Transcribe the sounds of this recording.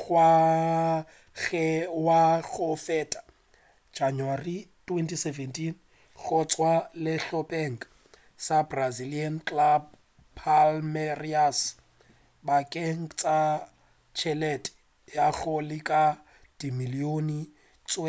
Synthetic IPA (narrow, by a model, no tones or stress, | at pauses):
ɣwa | ɣɛwaɣʊfɛtʼḁ | d͡ʒanwaritʼwentʰʼisevɛntʰʼin | ɣʊt͡sʼwalɪɬɔpʼɛŋ̩k | sabraziliankʼlab̚ | pʰalmɛrias | bakʼɛŋ̩t͡sʼa | t͡ʃʰɛlɛtɛ̥ | jaɣʊlɪkʼa | d̥imilioni | t͡sʼwɛ